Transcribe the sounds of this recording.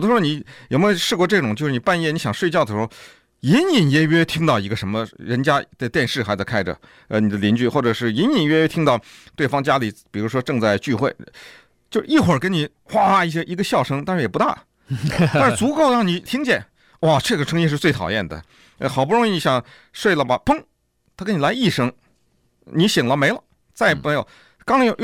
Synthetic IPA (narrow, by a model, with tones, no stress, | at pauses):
o˨˩d̪ə˧ʂ̩˥wni˧˥jo˨˩ʊme˧˥˧o˧ʊʂɻ̩˥˧kwɔ˥˧ʈ͡ʂɤ˥˩ʈ͡ʂʊ˨˩ŋt͡ɕjʂɻ̩˥˩ni˩pa˥˧njɛ˥˩ni˧˥ɕɑ˨˩ŋʂwe˥˧ɪt͡ɕjd̪ə˩ʂɻ | ji˧˥ni˨˩njɛ˧˥ɥɛ˥˧˥t̪ʰi˥ŋt̪ɑ˥˩ʊi˧˥ɡə˧ʂə˧˥nmə˧ɻə˧˥nt͡ɕja˥t͡sa˥˧ɪt̪jɛ˥˧nʂɻ̩˥˩xa˧˥t͡skʰa˥ɪʈ͡ʂə̰˩ | ə˧ni˨˩d̪ə˦˧li˧˥nt͡ɕy˥˩xwɔ˥˩ʈ͡ʂɤ˨˩ʂɻ̩˥˩i˧˥ni˧˩nɥɛ˥ɛ˥t̪ʰi˥ŋt̪ɑ˥˧ʊt̪we˥˩ɪfɑ˥ŋt͡ɕja˥li˨˩˦pi˨˩ɻu˧˥ʂwɔ˥ʈ͡ʂɤ˥˧ŋt͡sa˥˧ɪt͡ɕy˥˧xwe˥˩ɪ | t͡ɕjo˥˧ʊʂɻ̩˧i˥˩xwə˞˨˩kə˥nni˨˩ | xwa˥˧i˥˩ɕ̬jɛ˥ʔi˧˥ɡə˧ɕjɑ˥˩ʊʂɤ˥ŋt̪a˥˧ʂɻ̩˥˩jɛ˨˩pu˧˥t̪a̰˥˩ | t̪ʂɻ̩˧˩t͡su˧˥ko˥˧ʊɻɑ˥˩ŋni˨˩t̪ʰi˥ŋt͡ɕjɛ˥˩n | wɔ˥˧˩ʈ͡ʂʰe˥˩ɡə˩ʈ͡ʂʰɤ˥ŋi˥ʂɻ̩˥˧t͡swe˥˩ɪt̪ʰɑ˨˩ʊjɛ̰˥˩nd̪ə̰˩˧ | xɑ˨˩ʊp̬u˥˩ʊ˧˥ŋi˥˧˩n˧˩ɕjɑ˨˩˦ŋ | ʂwe˥˩ɪlə˩bɐ˩pɤ˥ŋ | t̪ʰa˥kə˧˥ni˨˩la˧˥ɪi˥˩ʂɤ˥˩ŋ | ni˧˥ɕi˨˩ŋlə˦me˧˥ɪlə˧ | t͡sa˥˧ɪpe˥jo̰˨˩ | kɑ˥ŋ˧˥j